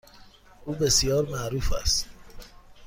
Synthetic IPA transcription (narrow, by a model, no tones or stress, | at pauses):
ʔuːbesijɒːɾmæɾuːfæ̰st̪